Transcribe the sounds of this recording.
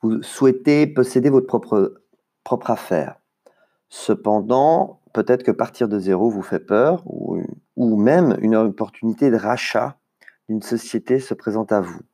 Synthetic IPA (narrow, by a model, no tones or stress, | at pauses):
vuswɛt̪epɔsed̪evɔt̪əpχɔpχə | pχɔpχafɛ̰ːʁ | səpɑ̃d̪ɑ̃ | pøt̪ɛt̪χə̥kəpaʁt̪ʰiʁd̪əzeʁovufɛpœːʁṵumɛmy̰nɔpɔʁt̪ynit̪ed̪əʁaʃa̰ | d̪̥ynsɔsjet̪esəpχezɑ̃t̪avu